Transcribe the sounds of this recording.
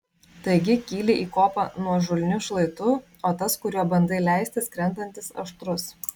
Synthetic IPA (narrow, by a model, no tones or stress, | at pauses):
t̪ɐɪɡʲɪkʲiːlʲɪʔiːkoːpɐ̰nuɔʒʊlʲnʲʊʃlˠɐɪt̪ʊ | oːt̪ɐskʊɾʲuɔbɐnd̪ɐɪlʲæˑɪsʲt̪ʲɪskɾʲɛnd̪ɐnʲt̪ʲɪsɐ̰ʃt̪ɾʊs